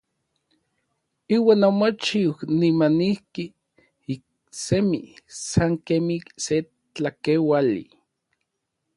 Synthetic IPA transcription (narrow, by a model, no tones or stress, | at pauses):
iːwaːnomot͡ʃiwnimanihki | ik̚ | semisaŋkemise | t͡ɬakewalḭ